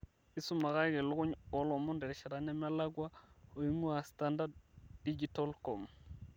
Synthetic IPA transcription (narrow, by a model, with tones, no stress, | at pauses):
ɪ˦sʊ˦ma˨ɣa˦ɪ˦kɛ˨lʊ˦ɣʊ˦ɲɔ˨˦lɔ˨mʊ˦ndɛ˨ɾʃɛ˨ɾa˨nɛ˦ma˦la˦ɡwa˦o˨i˦ŋu˦a˨sta˦nda˦ddi˦d͡ʒi˨tɔ˦lkɔ˨m